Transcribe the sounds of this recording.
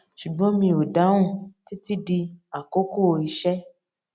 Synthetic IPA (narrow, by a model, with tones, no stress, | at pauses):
ʃu˨ɡ͡bɔ̃˨˦mĩ˧o˨da˨˦wũ˦˨ti˦ti˦di˧a˨ko˦ko˦˨o˧i˧ʃɛ˦